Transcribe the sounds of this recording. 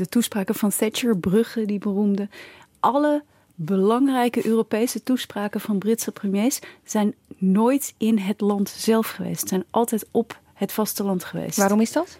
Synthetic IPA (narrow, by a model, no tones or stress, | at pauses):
dətuspraːkəvɑnθɛt͡ʃəɹbrɵχədibərumdə | ʔɑlə | bəlɑŋrɛjkəʔøːropejsətuspraːkəvɑnbrɪtsəprəmjejsz̥ɛjnnoːjtɪnɦətlɑntz̥ɛlˠfχəʋḛjstsɛjnʔɑlˠtɛjtɔp | hətfɑstəlɑntχəʋḛjstʋaːrɔmɪsdɑt